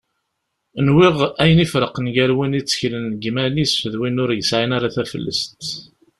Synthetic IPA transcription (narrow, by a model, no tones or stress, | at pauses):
ənwiʁæjənifɾəqənʝæɾwinit͡sːə̥çlənɡmænisfəðwinʊɾjəsʕinaɾaθæfə̰lːə̰st̪